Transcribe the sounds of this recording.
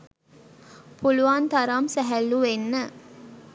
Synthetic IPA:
puluʋant̪aɾamsæɦælːuʋenːə

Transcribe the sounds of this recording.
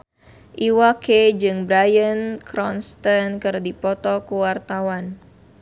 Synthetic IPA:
ʔiwaked͡ʒɨŋbɾajənkɾɔnst̪ənkɨrdipɔt̪ɔkuwart̪awan

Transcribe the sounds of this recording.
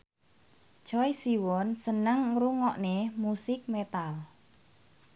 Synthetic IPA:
t͡ʃɔjsiwɔnsənəŋruŋɔʔnemusɪk̚met̪al

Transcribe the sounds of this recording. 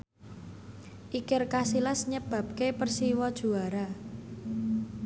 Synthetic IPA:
ʔikɪrkasilasɲəb̥ä̤p̚kepərsiwɔd̥ʒ̥ṳaɾa

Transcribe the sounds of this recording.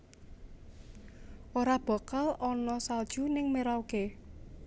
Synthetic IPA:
ʔoɾab̥a̤kalɔnɔsald̥ʒ̥unɪŋmeɾawke

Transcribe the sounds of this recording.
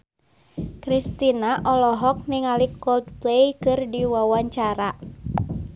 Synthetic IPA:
kɾist̪inaʔɔlɔɦɔk̚niŋalikɔld̪plejkɨrdiwawaɲt͡ʃaɾa

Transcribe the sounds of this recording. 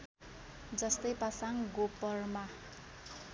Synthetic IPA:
d͡zʌst̪ʌjpasaŋɡopʌrma

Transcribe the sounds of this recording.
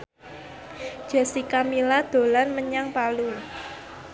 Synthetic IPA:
d͡ʒ̥a̤sikamilad̪̥o̤lanməɲaŋpalu

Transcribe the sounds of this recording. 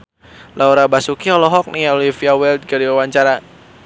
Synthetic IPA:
lʔauɾabasukiɔlɔɦɔk̚niolifiawɛld̪̚ɡaɾiwawaɲt͡ʃaɾa

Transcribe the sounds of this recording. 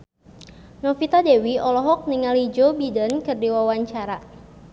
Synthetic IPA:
nɔfit̪adewiɔlɔɦɔk̚niŋalid͡ʒobidənkɨrdiwawaɲt͡ʃaɾa

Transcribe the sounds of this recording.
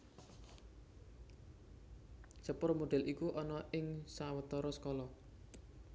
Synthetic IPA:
səpʊrmoɖ̥ɛ̤lʔikuʔɔnɔʔɪŋsawət̪ɔɾɔsə̥kɔlɔ

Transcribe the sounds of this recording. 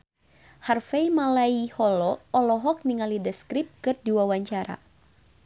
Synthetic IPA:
harfɛjmalaihɔlɔɔlɔɦɔk̚niŋalidəskɾip̚kɨrdiwawaɲt͡ʃaɾa̰

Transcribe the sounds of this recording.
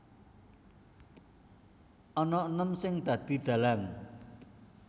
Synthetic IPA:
ʔɔnɔnəmsɪŋd̪̥ä̤d̪̥i̤ɖ̪̥a̤laŋ

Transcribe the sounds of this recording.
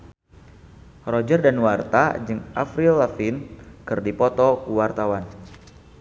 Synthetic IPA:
rɔd͡ʒərdanwart̪a̰d͡ʒɨŋʔa̰fɾilafinkɨrdipɔt̪ɔkuwart̪awan

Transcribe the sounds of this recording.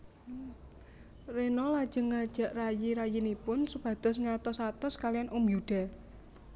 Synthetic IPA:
renɔlad̥ʒ̥ə̤ŋːad̥ʒ̥ä̤ʔrajiɾajinipʊnsub̥ä̤d̪̥ɔ̤sŋat̪ɔsat̪ɔskalijanumbjud̪̥a̤

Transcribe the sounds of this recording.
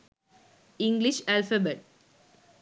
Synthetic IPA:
ɪ̃ŋɡliʃalfɐbeʈ̚

